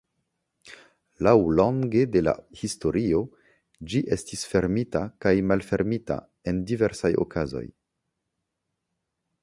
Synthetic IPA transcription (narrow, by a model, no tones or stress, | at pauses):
lawloŋɡe̞dela̰histo̞ɾio̞ | d͡ʒiʔe̞stisfe̞ɾmitakajmalfe̞ɾmita̰ | e̞ndive̞ɾsajo̞̰kʰazo̞̰j